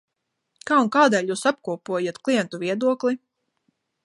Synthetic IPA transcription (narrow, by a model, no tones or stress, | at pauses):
kaːunkaːd̪ɛːlʲjuːsap̚kuɔpuɔjat̪klˠijɛnt̪uviɛd̪uɔklˠi